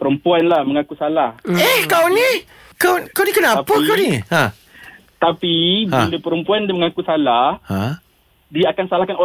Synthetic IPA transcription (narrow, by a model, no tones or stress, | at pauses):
pəɾəmpuanlahməŋakusalahɛhkawnĩ | kakawnikənaapəkaniha | t̪apibiləpəɾəmpuandəməŋakusalahha | diaakansalahkano